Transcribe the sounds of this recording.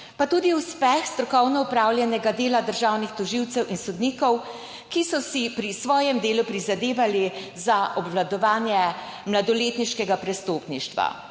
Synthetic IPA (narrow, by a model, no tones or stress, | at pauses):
pat̪uːd̪iuspɛxst̪ɾɔkɔwnɔupɾaːwljɛnɛɡad̪eːlad̪əɾʒaːwnixt̪ɔʒiwt̪sɛwʔinsɔd̪niːkɔw | kisɔsipɾisʋɔːjɛmd̪eːlupɾizad̪eːʋali | zaʔɔbʋlad̪ɔʋaːnjɛ | mlad̪ɔleːt̪niʃkɛɡapɾɛst̪oːpniʃt̪ʋa̰